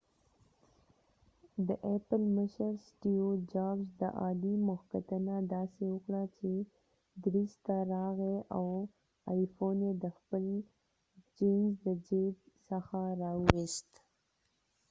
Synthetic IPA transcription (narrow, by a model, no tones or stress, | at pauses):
d̪əʔepəlməʃəɾsʈiod͡ʒɑbzd̪ə̰ʔɑd̪imʊxkat̪ənad̪ɑsewəkɽat͡ʃe | d̪ɾist̪aɾɑɣeʔaw | ɑjfoned̪əxpəl | d͡ʒenzd̪əd͡ʒet̪ | səxaɾɑwist̪